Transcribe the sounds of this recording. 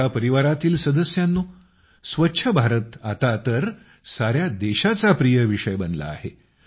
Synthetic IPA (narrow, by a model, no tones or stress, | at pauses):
apəɾiʋaɾat̪iːlsəd̪əsjanːuː | sʋətːɕʰəbʱaɾət̪a̰t̪at̪əɾ | saɾjad̪eɕat͡sapɾijəʋiʂəjbənla̰ːɦe